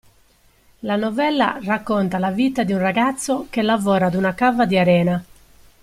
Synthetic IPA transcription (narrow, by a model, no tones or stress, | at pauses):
lanɔvɛlːa̰rakːɔnt̪alavit̪ad̪iunraɡat̪sːɔkelːavɔːɾad̪unakavad̪iaɾɛːna